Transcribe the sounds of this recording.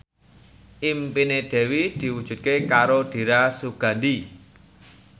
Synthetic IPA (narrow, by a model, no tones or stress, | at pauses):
ʔimpined̪̥ɛ̤wid̪̥i̤wud̥ʒ̥ṳt̪̚kekaɾod̪̥i̤ɾasuɡ̥ä̤nd̪i